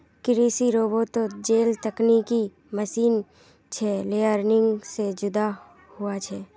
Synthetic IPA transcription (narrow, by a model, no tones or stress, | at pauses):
kɪɾiːsiɾoːbot̪od͡ʒeːlt̪əkniki | məʃiːn | t͡ʃʰɛleːəɾnɪ̃ŋɡsed͡ʒʊd̪a | hʊat͡ʃʰɛː